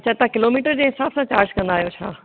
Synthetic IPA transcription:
t͡ɕɐt̪ãkɪloːmiːʈəɾd͡ʑeːɦɪsaːbsãt͡ɕaːɾd͡ʑkɐ̃nd̪aːɦijot͡ɕʰa̰ː

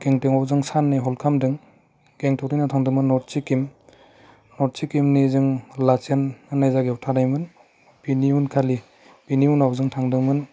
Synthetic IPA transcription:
ɡeŋtɯŋawzɯŋsanːeɦɔlkʰamdɯŋ | ɡ̥eŋtʰɔkɾijnatʰaŋdɯmɯnːɔɾt͡ʃikim | nɔɾ̚t͡ʃikimnizɯŋlat͡ʃanɯnajzaɡeutʰaɾajmɯn | piniunkʰali | piniunawzɯŋtʰaŋdɯmɯn

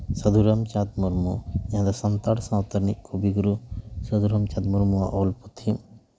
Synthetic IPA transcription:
sɐd̪uɾɐmt͡ʃad̪muɾmujãd̪ɔsɐnt̪aɽsãwt̪ɐɾnik̚kʰubiɡuɾusɐd̪ʱuɾɐmt͡ʃad̪̚muɾmuwaʔɔlput̪ʰim

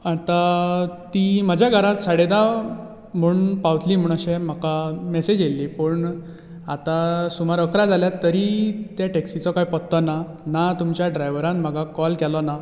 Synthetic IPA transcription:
at̪at̪iməd͡ʑʱjaɡʱaɾat̪saɽed̪a | m̤uːɳpawt̪liːm̤uːɳəɕem̤əkamesed͡ʑelːipəɳ | at̪asumaɾəkɾad͡zaljat̪ːəɾit̪jaʈeksit͡sɔkaipɔtt̪ːɔna | nat̪umt͡ɕjaɖɾajʋɾãnm̤əɡakɔlkɛlɔna

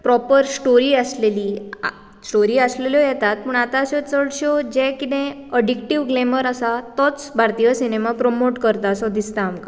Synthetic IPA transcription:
pɾɔpəɾsʈoɾiːəsleliː | sʈoɾiːəsleljɔjɛt̪at̪̚pəɳat̪aəsɔt͡səɽɕɔd͡ʑɛ̃kit̪ɛ̃ | əɖikʈiʋɡleməɾəsat̪ɔt͡sbʱaɾt̪ijəsinemapɾomoʈkəɾt̪aːsɔd̪ist̪aːmka

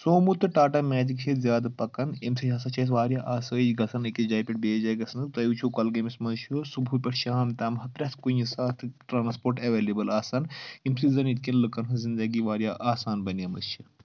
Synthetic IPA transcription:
soːmut̪ɨʈaːʈɐmɛːd͡ʒikkʰezʲjaːd̪pɐkɐnemsiɐsɐt͡ʃʰɐsʋaːɾjaːʔaːsəːd͡ʒɡɐsʰɐnɨkʲid͡ʒaːjpʲiʈ̚beːd͡ʒaːjɡɐsʰnɨt̪ɐjut͡ʃʰukɐlɡɐmismɐnzt͡ʃʰusubʱuːpʲɐʈʃaːmt̪aːmɦɐp̪ɾʲɐt̪ʰkujisaːt̪ʰʈɾaːnspoːɾʈɐʋeːleːbɐlaːsaːnimsizɐnit̪̚kʲinlɨkɐnɦɨzind̪ɐɡiʋaːɾʲjaːʔaːsaːnbɐnɐmɐ̰st͡ʃʰi

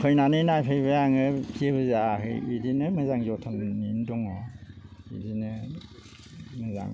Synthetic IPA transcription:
pʰɯjnanɯnajpʰajbɯjaŋɯpʰiebɯzaaɦɯ̰jidinɯmɯzaŋzɔtʰɔnnindɔŋɔ | ḭdinɯ | mɯza̰ŋ

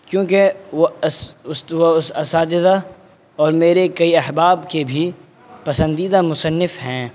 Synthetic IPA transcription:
kjõːkeosʊsʋosɐsaːd͡ʒɪd̪a | ɔːɾmeːɾekɐiɐɦbaːbkebʱi | pɐsə̃nd̪iːd̪amʊsənːɪfɦɛ̃ː

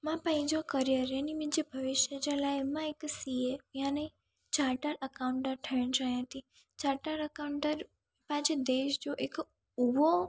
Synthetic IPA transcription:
mãpə̃ĩd͡ʒokəɾijəɾenimid͡ʒebʱəʋɪʃjəd͡ʒəlaemãeksiejãnəi | t͡ʃaɾʈəɾəkaũɳʈəɾʈʰəɳd͡ʒajãt̪i | t͡ʃaɾʈəɾəkaɳʈəɾ | pãt͡ʃed̪eʃd͡ʒoʔek | uʋo

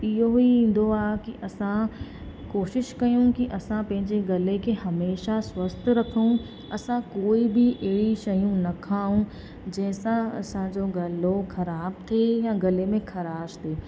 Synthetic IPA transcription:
ɪɦoɦiĩːn̆d̪oaːkiʔɐsã | koːʃɪʃkɐjũkiʔɐsãpɐ̃ɦɪ̃ɲd͡ʑeɡɐlekʰeɦɐmeːʃaswɐst̪ʰɾɐkʰũ | ɐsãkoːibɪʔɐɦɪɽiʃɐjũnɐkʰaːɦũ | d͡ʑɐ̃ɦɪ̃sãɐ̰sãd͡ʑoːɡɐloxɐɾaːbt̪ʰeːjãɡɐlemẽxʰɐɾaːʃt̪ʰeː

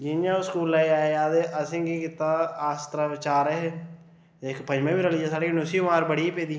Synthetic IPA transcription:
d͡ʒɪnjãːskuːlaːiaːeaːd̪eʔəsɪ̃ɡiːkɪt̪ːaːst̪ɾaːɪt͡ʃaːɾəɦeː | ekʰpə̃ɲd͡ʒmẽːbiːɾəliːd͡ʒasaːɽeːkɪnʊsiːʊmaːɾbəɽiːpeːd̪iː

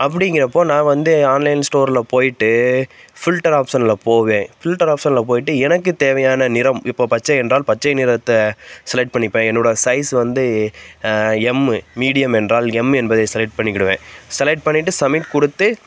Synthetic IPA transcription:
ɐp̬ːɐɽɪŋɡɪɾɐpːoːnãːʋɐnd̪ɯaːnlɐɪnsʈoːɾlɐpoːjɪʈːɯfɪlʈːɐɾaːpsɐnɪlɐpoːʋẽːfɪlʈːɐɾaːpsɐnlɐp̬oːjɪʈːɯɛnɐkːɯt̪eːʋɐjaːnɐnɪɾɐmɪpːoːpɐt͡ʃːɐɛndraːlpɐt͡ʃːɐɪnɪɾɐt̪ːɐsɐlɐʈ̚pɐɳːɪpːẽɛnːoːɽɐsɐɪsʋɐnd̪ɯ | ɛmmiːɽɪjɐmɛndraːlɛmːɛnbɐðesɐlɐʈ̚pɐɳːɪkːɪɽɯʋẽːsɐlɐʈ̚pɐɳːɪʈːɯsɐmɪʈkʊɽɯt̪ːɯ

